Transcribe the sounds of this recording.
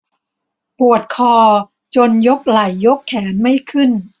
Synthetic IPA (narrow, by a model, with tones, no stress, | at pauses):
pu˨˩ət̪̚kʰɔː˧ | t͡ɕo˧njo˦˥k̚la˨˩jːo˦˥kʰːɛː˩˦nma˥˩jkʰɯ˥˩n